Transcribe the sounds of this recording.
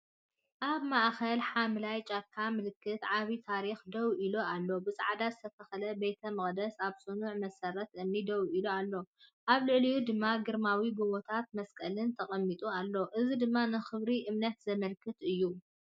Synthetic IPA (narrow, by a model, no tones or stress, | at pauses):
ʔaβmaʔxɐlħamlajt͡ʃʼakʰːamɨlɨkːɨt̪ʕaβit̪ʰaɾixd̪ɐwʔiloalːo̞bɨsʼa̰ʕad̪azɨt̪ʰɐt̪ʰɐxɐlɐbejt̪ʰɐmɨχʼd̪ɐsaβsʼɨnuʕmɐsɐɾɐt̪ɨnːid̪ɐwiloalːo̞ʔaβlɨʕlijud̪ɨmːaɡɨɾmawibuβot̪ʰat̪̚mɐskʼɐlɨnt̪ʰɐχʼɐmːit̪ʼualːo̞ʔɨzid̪ɨmːanɨxɨβɾiʔɨmnɐt̪zɐmɐlkʰɨt̪ɨjːu